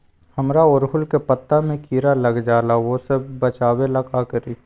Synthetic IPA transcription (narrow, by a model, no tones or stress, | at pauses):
həmɾaʊɾɦʊlkepət̪ːamẽkiːɾaləɡd͡ʒaːlaʋosebbət͡ʃaːweləkakəɾiː